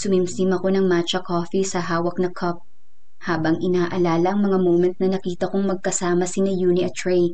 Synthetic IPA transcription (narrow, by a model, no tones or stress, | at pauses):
sʊmimsimɐko̞nɐŋmat͡ʃɐkoːfisɐɦaːwɐk̚nɐkʰɐp̚ | haːbɐŋɪnaːʔɐlaːlɐʔɐŋmɐŋamowmɛnt̪̚nɐnɐkiːt̪ɐkoŋmɐɡ̚kɐsaːmɐsɪnɐjuːniʔɐt̪ɹɛj